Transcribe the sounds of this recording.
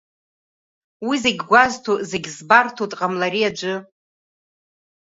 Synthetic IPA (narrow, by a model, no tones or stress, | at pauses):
wizeɡʲɡʷaztʰuzeɡʲzbartʰutʼqʼamlaɾiad͡ʒʷɨ